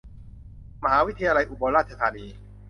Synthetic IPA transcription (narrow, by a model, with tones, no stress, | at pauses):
ma˧ɦaː˩˦wi˦˥t̪ʰːajaː˧la˧jʔu˧˩boː˧nɾaː˥˩t̪̚t͡ɕʰa˧t̪ʰaː˧niː˧